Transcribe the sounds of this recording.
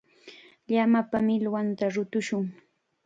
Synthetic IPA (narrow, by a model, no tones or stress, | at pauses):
ʎamapamɪlwant̪aɾʊt̪ʊʃʊŋ